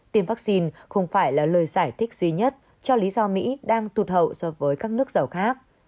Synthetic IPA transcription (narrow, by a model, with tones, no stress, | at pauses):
t̪i˧əmvaː˦˥k̚si˧nxə˧wŋ͡mfaː˧˩jlaː˨˩ləː˨˩jzaː˧˩jt̪ʰï˦˥k̟̚zwi˧ɲə˦˥t̚ | t͡ɕɔ˧li˨˦zɔ˧mḭ˧˥ɗaː˧ŋt̪u˨˩t̚hə̰˧˨wsɔ˨˧˦vəː˨˦jkaː˦˥k̚nɨ˦˥ək̚zə˨˩wxaː˦˥k̚